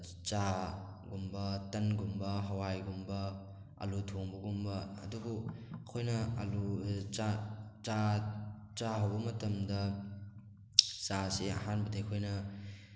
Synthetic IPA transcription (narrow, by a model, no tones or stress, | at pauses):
t͡ʃa | ɡumbɐtɐnɡumbɐɦɐwajɡumbɐ | ɐ̰lutʰoŋbɐɡumbɐɐ̰dubuɐkʰojnɐɐluat͡ʃa | t͡ʃaɦɐwbɐmɐtɐmdɐ | t͡ʃaseɐ̰ɦanbɐdekʰojnɐ